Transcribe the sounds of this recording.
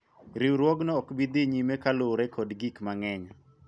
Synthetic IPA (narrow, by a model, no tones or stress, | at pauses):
ɾiwɾwɔɡnɔːkbid̪iɲimekaloɾɛkʰɔdɡikmaŋɛɲa